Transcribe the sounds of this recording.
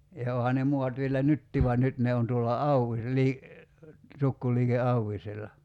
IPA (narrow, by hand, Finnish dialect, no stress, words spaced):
jɑ oːhɑ ne muɑt ʋielæ nytːiː ʋuɑn nyt ne on tuolːɑ ɑuwis liː tukːuliːke ɑuwiselːɑ